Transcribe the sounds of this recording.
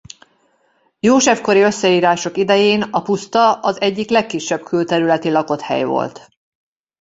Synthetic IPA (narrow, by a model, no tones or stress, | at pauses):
joːʃɛfko̞ɾiø̞sːɛiːɾaːʃo̞kid̪ɛjeːnɒpust̪ɒɒzɛɟːiklɛkːiʃːɛb̥kʰylt̪ɛɾylɛt̪ilɒko̞t̪hɛ̰jvo̰lt̪